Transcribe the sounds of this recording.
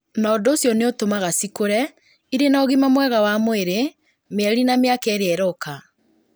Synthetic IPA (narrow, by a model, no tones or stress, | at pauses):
naɔdoːsjɔneotomaɣasikoɾɛ | iɾenaoɣimamwɛɣawamoeɾe | meɛɾinameakɛɾeɛɾɔka